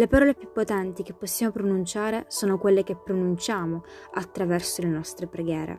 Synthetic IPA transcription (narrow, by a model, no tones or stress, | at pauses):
lepaɾɔːlepːjupːot̪ɛnt̪ik̟epːosːjaːmopɾonunt͡ʃaːɾesoːnokwelːekepːɾonunt͡ʃaːmo | at̪ːɾavɛrsolenɔst̪ɾepɾeɡjɛːɾḛ